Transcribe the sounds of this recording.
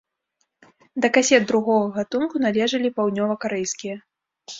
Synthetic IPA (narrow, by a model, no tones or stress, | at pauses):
d̪ɐkasʲɛd̪̚d̪ɾuɣɔɣɐɣat̪unkunalʲɛʐɐlʲipawd̪ʲnʲɔvɐkaɾɛjskʲijɐ